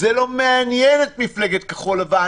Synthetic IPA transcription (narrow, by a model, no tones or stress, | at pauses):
ɛlomeanjɛnet̚mifleɡet̪̚kə̥χolava